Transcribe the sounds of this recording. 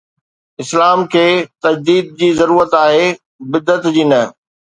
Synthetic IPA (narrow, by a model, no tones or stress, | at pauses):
ɪslaːmkʰeːt̪ɐd͡ʑd̪iːd̪̚d͡ʑiːzɐɾuːɾət̪aːɦeː | bɪd̪ːət̪d͡ʑiːnɐ